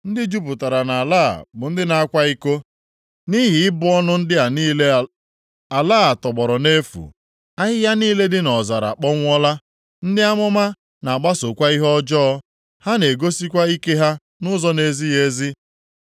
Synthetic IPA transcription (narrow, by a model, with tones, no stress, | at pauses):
n̩˦dɪ˦d͡ʒu˦p̬ʊ˨ta˨ɾa˨na˨a˨la̰ː˦˨bʊ˨n̩˦dɪ˦na˨a˦kʷa˦i˦ko˦ | ni˦ɦɪ˨ɪ˦bʊ˦ɔ˦nʊ˦n̩˦dɪ˦a˨ni˦e˦ | a˨laː˦˨tɔ˨ɡ͡bɔ˨ɾɔ˨ne˦fṵ˨ | a˦ɦɪ˦ja˦niː˦le˦dɪ˦nɔ˨za˨ɾa̰˨k͡pɔ˦ŋʷ˦ɔ˦la˦ | n̩˦dɪ˦a˦mɔ˦ma˦ | na˨a˨ɡ͡ba˦so˨kʷa˦i˦ɦɔ˦d͡ʒɔː˦ | ha˦ne˨ɡo˦si˦kʷa˦i˦ke˦ɦa˦ | nʊ˦zɔ˦ne˨zi˦je˦zi˦